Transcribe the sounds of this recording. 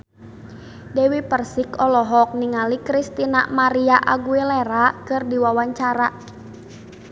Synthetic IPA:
dɛwipərsikɔlɔɦɔk̚niŋalikɾist̪ina̰maɾiaʔa̰ɡuilɛɾakɨrdiwawaɲt͡ʃaɾa

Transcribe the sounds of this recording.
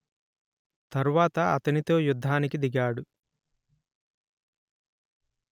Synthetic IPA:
t̪ɐɾuʋaːt̪ɐɐt̪ɐnit̪o̞ːjud̪ʱːaːnikid̪iɡaːɽu

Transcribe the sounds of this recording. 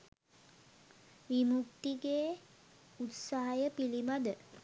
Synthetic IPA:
ʋimuk̚t̪iɡeː | ut̪saɦajəpilimad̪ə

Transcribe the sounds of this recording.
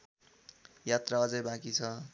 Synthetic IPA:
jat̪raʌd͡zʌjbakit͡sʰʌ

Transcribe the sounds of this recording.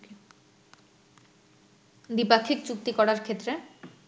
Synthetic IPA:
d̪ipakʰːikt͡ɕuk̚t̪ikɔɽaɾkʰet̪ːɾe

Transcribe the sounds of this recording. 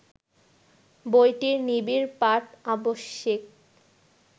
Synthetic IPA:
bojʈiɾnibiɾpaʈaboʃːek̚

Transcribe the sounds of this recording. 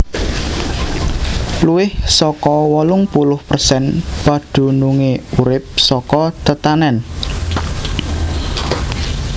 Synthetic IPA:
luwɪhsɔkɔwɔlʊŋpulʊhpərsɛnpaɖ̪̥ṳnuŋeuɾɪp̚sɔkɔt̪ət̪anɛn

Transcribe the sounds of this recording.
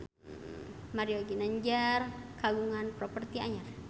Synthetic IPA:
maɾioɡinəɲd͡ʒarkaɡuŋanpɾɔpərt̪ia̰ɲar

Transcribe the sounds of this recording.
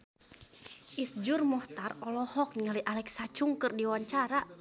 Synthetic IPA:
ʔisd͡ʒurmɔht̪arɔlɔhɔk̚niŋaliʔalɛksat͡ʃuŋkɨrdiwaɲt͡ʃaɾa

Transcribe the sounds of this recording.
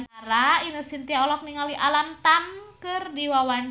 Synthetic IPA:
naɾainəsint̪iaɔlɔk̚niŋaliʔalamt̪amkɨrdiwawan

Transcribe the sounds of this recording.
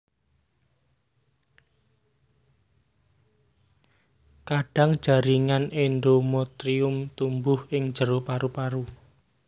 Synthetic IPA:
kaɖ̥a̤ŋd̥ʒ̥ä̤ɾiŋanenɖomɔt̪ɾiʊmt̪umbʊhɪŋ̥ʒ̥əɾopaɾupaɾu

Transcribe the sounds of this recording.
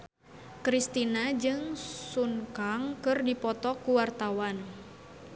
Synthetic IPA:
kɾist̪inad͡ʒɨŋsuŋkaŋkɨrdipɔt̪ɔkuwart̪awan

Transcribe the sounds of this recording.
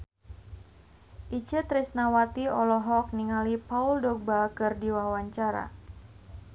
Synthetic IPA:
ʔit͡ʃət̪ɾisnawat̪iɔlɔɦɔk̚niŋalipauldɔbakɨrdiwawaɲt͡ʃaɾa̰

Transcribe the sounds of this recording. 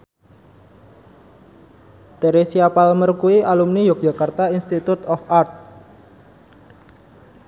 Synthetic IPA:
t̪eɾesiapalmərkuiʔalumnijok̚ʒ̥a̤kart̪ainst̪it̪ut̪ɔfart̪̚

